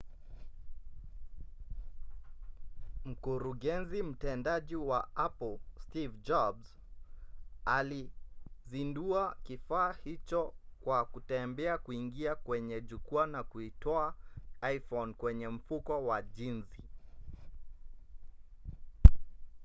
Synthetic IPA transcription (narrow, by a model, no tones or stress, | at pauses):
m̩kuɾuɡɛnzim̩tɛndaʄiwaapl̩stivd͡ʒɔbz | alizinduakifaːhit͡ʃɔkwakutɛmbɛakuiŋɡiakwɛɲɛʄukuanakuitɔaajfɔnkwɛɲɛm̩fukɔwaʄinzi